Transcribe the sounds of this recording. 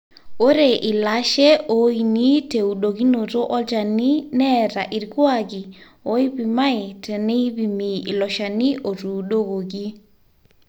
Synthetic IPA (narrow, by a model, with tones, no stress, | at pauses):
o˦ɾe˨ʔi˨la˦ʃɛ˦o˨i˨ni˦te˨u˨ɗo˨ɡi˦no˨to˦ʔɔ˦d͡ʒa˨ni˦nɛ˦ɾa˨ʔi˨ɾɡwa˦ɡi˨ | o˦i˦bi˨ma˦ɪ˨tɛ˨nɛ˦bi˨mi˨i˨lɔ˨ʃa˨ni˦ʔo˨ɾu˨ɗo˦ɡo˨ɡi˦